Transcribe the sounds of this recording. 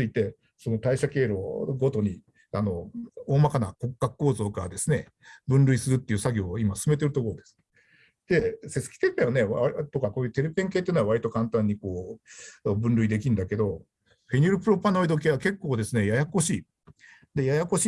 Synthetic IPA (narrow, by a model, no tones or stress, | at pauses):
ɨit̪e̞ | so̞no̞t̪aiɕake̞ːɾo̞ɡo̞t̪o̞ɲ̟i | ano̞oːmakana̰ko̞kːakɯ̥kːo̞ːzo̞ːkad̪e̞sɨne̞ | bɯ̟̃nɾɯ̟isɨɾɯ̟t̪ːeiɯ̟ːsaɡʲo̞ːimasɨ̥sɨme̞t̪̬e̞ɾɯ̟t̪o̞ko̞ɾod̪e̞̥sɨ̥ | d̪̥e̞se̞sɨ̥kʲi̥t̪e̞pẽane̞at̪o̞kako̞ːjɯ̟t̪e̞ɾɯpẽ̞ŋke̞t̪ːeiːnoaβaɾit̪o̞kãnt̪ãɲ̟ːiko̞ː | bɯ̟̃nɾɯ̟id̪e̞kʲĩnd̪ake̞d̪o̞ | ɸe̞ɲʲiɾɯ̟pɯ̟ɾo̞pano̞id̪o̞k̬e̞ːβake̞kːo̞ːd̪e̞sɨne̞jajako̞ɕiː | d̪e̞jajako̞ɕi